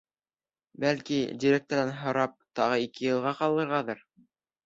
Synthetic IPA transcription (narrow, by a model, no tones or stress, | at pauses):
bælkidʲiɾʲek̚t̪ŏɾɑnɦŏɾɑp̚t̪ɑʁɤikɘjɤ̆lˠʁɑqɑlˠːɤ̆ɾʁɑðɤɾ